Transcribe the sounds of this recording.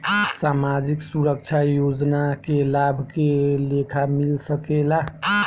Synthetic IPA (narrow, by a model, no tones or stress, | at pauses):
samad͡ʒiksuɾək̚t͡ʃʰajod͡ʒnakelabʱkelekʰamilsəkela